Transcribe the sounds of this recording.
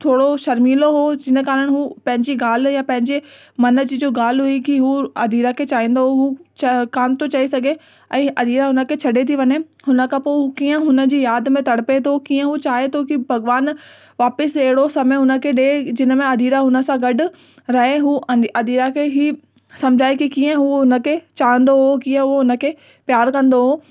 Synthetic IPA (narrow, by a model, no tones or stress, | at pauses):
t̪ʰoːɽoʃɐɾmiːloɦod͡ʑɪnə̆kaːɾəɽ̃ɦupɐ̃ɦɪ̃ɲd͡ʑiɡaːl̤japɐ̃ɦɪ̃ɲd͡ʑe | mɐnə̆d͡ʑid͡ʑoːɡaːl̤ɦuikiɦuɐd̪ʱiːɾakʰeːt͡ɕaːɦĩːnd̪oɦut͡ɕkaːnt̪ʰot͡ɕaisɐɡʱe | ɛ̃ːɐd̪ʱiːɾaɦʊnə̆kʰeːt͡ɕʰɐɖet̪ʰiʋɐɲe | hʊnə̆kʰãpoɦukiːə̃ɦʊnə̆d͡ʑiːjaːd̪mẽt̪ɐɽ̤pet̪ʰokiːə̃ɦut͡ɕaːɦet̪ʰokibʱɐɡʋaːn | ʋaːpɪseɦɪɽosɐmeʊnə̆kʰeɗed͡ʑɪnə̆mẽɐd̪ʱiːɾaɦʊnə̆sãɡɐɖʊ̆ | ɾɐɦeɦuːɐd̪iːɾakʰeɦiː | sɐmd͡ʑʱaːekikiːə̃ɦuɦʊnə̆kʰet͡ɕaːə̃n̆d̪oɦokĩːə̃ɦuoɦʊnə̆kʰe | pjaːɾkɐ̃nd̪oɦoː